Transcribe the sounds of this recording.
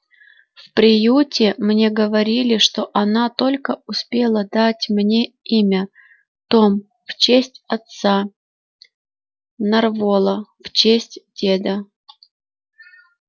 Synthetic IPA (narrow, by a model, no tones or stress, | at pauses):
fpɾʲɪjutʲɪmnʲe̞ɡəvɐɾʲilʲɪʂt̪o̞ʔɐnat̪o̞lʲkəʊspʲe̞lˠəd̪atʲmnʲe̞ | imʲə | t̪om | ft͡ɕesʲtʲɐt̪sa | nɐrvolˠəft͡ɕesʲtʲdʲed̪ə